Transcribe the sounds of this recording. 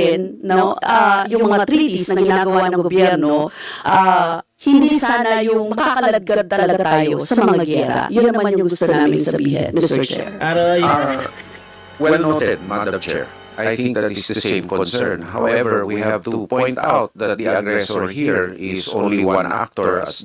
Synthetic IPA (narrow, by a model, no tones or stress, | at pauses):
ɪnːoʔajʊʊŋmɐŋat̪ɾiːt̪isnɐɡɪnaːɡɐwanɐŋɡoɡobjɛɾnoʔa | hɪnd̪iːsaːnɐjʊŋmɐkakɐlɐd̪̚ɡad̪̚t̪ɐlɐɡat̪aːjosɐmɐŋaɡɪɛːɾa̰jʊnːɐmanjʊŋŋɡʊst̪ɐnaːmɪmɪŋsɐbiːɦɐ̰nmɪst̪ɛɹt͡ʃɛ̰ɹʔaɾo | wɛlnot̪ɛd̪̚mand̪ɐt͡ʃɛ̰ɹ | ʔajθɪ̃ɪŋk̚d̪ɐt̪ɪsdəsẽjmkɔ̃nsɛ̰ɹnha̰wʔɛvɛɛɹwihavt̪upɔ̃jnt̪ʰa̰wt̪̚d̪ɐt̪̚d̪iʔaɡɹɛsɔɹhiɹɪsʔõ̰nliwaã̰nʔa̰ft̪ɔɹɐ̰s